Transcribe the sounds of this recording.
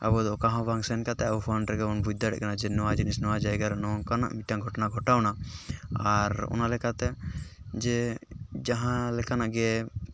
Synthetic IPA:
a̰bɔd̪ɔkãɦɔ̃baŋsɛnkat̪ɛabɔpʰɔnɾɛɡɛɔnbʱud͡ʒd̪aɽɛ̰ʔkanad͡ʒɛnɔwad͡ʒinisnɔwad͡ʒajɡaɾnɔkana̰ʔmiʈãŋɡʱɔʈɔnaɡʱɔʈawnaaɾɔ̰nalɛkat̪ɛd͡ʒɛd͡ʒaɦãlɛkanaʔɡɛ

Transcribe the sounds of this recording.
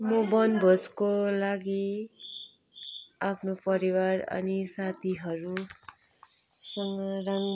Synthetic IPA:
mobʌnbʱoskolaɡi | apʰnopʌɾiwarʌ̰nisat̪ʰiɦʌɾu | sʌŋɡʌraŋ

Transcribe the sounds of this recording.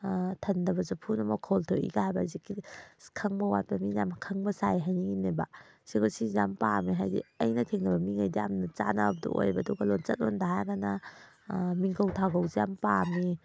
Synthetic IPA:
tʰɐndɐbɐzupʰunɐmɔkʰɔltʰoḭɡahajbazikːikʰɐŋbɐwat̚pɐmijamkʰɐŋbɐsajɦajniŋineba | siɡosizjampamiɦajdḭɐjnɐtʰeŋnɐbɐmiŋajdiamnɐt͡ʃanab̚dṵʔo̰jbɐduɡɐlont͡ʃɐt̚ondaɦajɡana | miŋkʰɐwtʰaɡɐwzijampami

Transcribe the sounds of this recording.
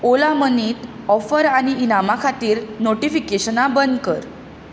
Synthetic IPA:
olaməniːt̪ | ɔfəɾañiːnamakʰat̪iːɾnoʈifikeɕənabənd̪kə̰ɾ

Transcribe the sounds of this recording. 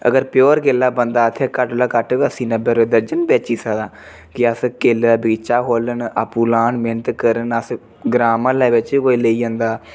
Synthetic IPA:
ə̰ɡəɾpjoːɾkelːaːbənd̪aːət̪ʰːeːkəʈlaːkəʈːəsĩːnəbeːɾeːd̪əɾd͡ʒənbɛːt͡ʃiːsəɡd̪ãː | kɪəskelaːbiːt͡ʃaːɦoːlənəpuːlaːnmeːnət̪kəɾənəs | ɡɾaːmãːlaːʋɪt͡ʃiːkoːiːleiːãːnd̪aː

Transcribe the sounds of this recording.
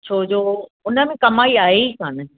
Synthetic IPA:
t͡ɕʰoːd͡ʑoːʊnə̆mẽkɐmaːiaːɦekʰaːnɪ

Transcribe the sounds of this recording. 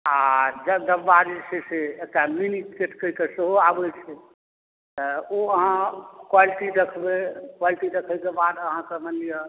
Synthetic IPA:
ad͡ʒəd̪əbːaɾiseseek̚ʈaminikeʈʰkəikeseɦoabɛt͡ʃʰɛ | t̪əoəɦãkwaliʈiɾəkʰbekwaliʈiɾəkʰɛjkebad̪əɦãkemənlijə

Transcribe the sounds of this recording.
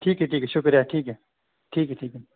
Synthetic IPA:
ʈʰiːkɦɛʈʰiːkɛʃʊkɾjaʈʰiːkɦɛ | ʈʰiːkɦɛʈʰiːkɛ

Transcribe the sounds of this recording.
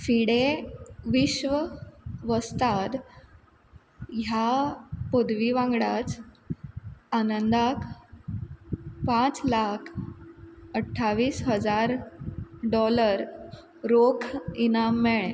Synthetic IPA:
fiɽeʋiɕʋəʋəst̪ad̪ | ɦjapod̪ʋiʋãŋɡɽat͡s | anənd̪akʰ | pãt͡slakʰ | əʈʰːaʋiːsɦəd͡zaɾ | ɖɔləɾ | ɾokʰinamːeɭ

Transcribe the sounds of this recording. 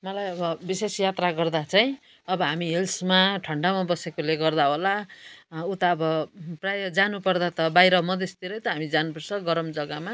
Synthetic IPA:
mʌlajʌbʌbisesjat̪raɡʌrd̪at͡saj̃ | ʌbʌɦamiɦelsmaʈʰʌɳɖamabʌsekoleɡʌrd̪aɦola | ut̪aːbʌprajʌd͡zanupʌrd̪at̪ʌbajɾʌmʌd̪est̪iɾʌjt̪ʌɦamid͡zanupʌrt͡sʰʌɡʌɾʌmd͡zʌɡama

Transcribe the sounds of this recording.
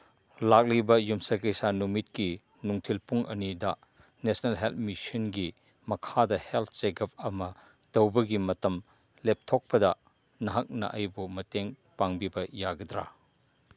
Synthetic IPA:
lak̚libɐjumsɐkɐjsanumit̚ki | nuŋtʰilpuŋʔɐ̰nidɐ | nesnelɦelt̚misɐnɡi | mɐkʰadɐhelt̚ʰseɡɐp̚ɐmɐ | d̥ɐwbɐɡimɐtɐm | lep̚tʰok̚pɐdɐ | nɐɦɐk̚nɐ̰ʔɐjbumɐteŋ | paŋbibɐjaɡɐdɾa̰

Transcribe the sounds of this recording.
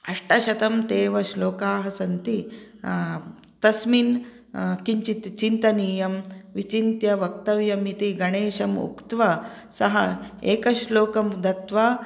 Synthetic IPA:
ɐʂʈɐʃɐt̪ɐmt̪eːʋɐʃloːkaːɦɐsɐnt̪i | t̪ɐsmin | kiɲt͡ʃit̪t͡ʃint̪ɐniːjɐmʋit͡ʃint̪jɐʋɐk̚t̪ɐʋjɐmit̪iɡɐɽ̃eːʃɐmṵkt̪ʋɐ | sɐɦɐeːkɐʃloːkɐmd̪ɐt̪ʋaː

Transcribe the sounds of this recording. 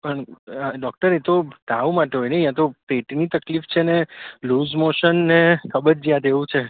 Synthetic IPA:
pəɳɖɔk̚ʈəɾet̪od̪aʋũmaʈeɦojneiãt̪opeʈnit̪əklift͡ʃʰeneluzmoʃənːekʰəbəɾd͡ʒijãt̪eʋũt͡ʃʰe

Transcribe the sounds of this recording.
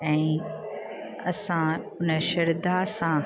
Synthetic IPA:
ɛ̃ː | ɐsã | ʊnəʃɐɾd̪asã

